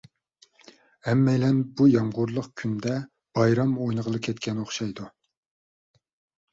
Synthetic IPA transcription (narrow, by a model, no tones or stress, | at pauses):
hɛmːɛjlɛnbujɑmʁʊɾlˠəqkʲʰynd̪ɛ | b̥ɑjɾɑmojnəʁəlˠɨkʲʰɛt̪kʲɛnoχʃɑjd̪u